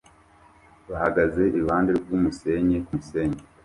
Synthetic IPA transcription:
βahaɡaze̞ʔiuβaːndeɾɟuːmuse̞ɲekumuse̞ːɲe

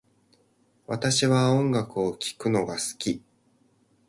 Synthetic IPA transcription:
βat̪aɕiβaõ̞ŋɡakɯ̟okʲi̥kɯ̟no̞ɡasɨ̥kʲi

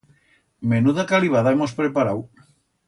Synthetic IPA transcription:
menuðakaliβ̞aðaemospɾepaɾaw

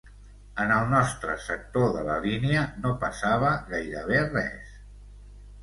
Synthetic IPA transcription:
ənəlˠnɔst̪ɾə̰sək̚t̪oðələ̰liniənopəsaβ̞əɣajɾəβerɛ̰s

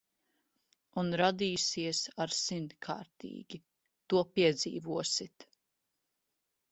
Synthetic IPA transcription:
unɾad̪iːsiɛsaɾsint̪kʰa̰ːɾt̪ḭːɡ̥ʲi | t̪uɔpiɛd̪zḭːvuɔsit̪

